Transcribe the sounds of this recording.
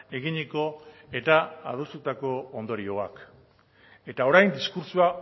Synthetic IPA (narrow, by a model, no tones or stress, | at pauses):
e̞ɣiɲiko̞e̞t̪aa̰ðost̪ut̪ako̞ːnd̪o̞ɾio̞ak | e̞t̪ao̞ɾajnd̪iskuɾsua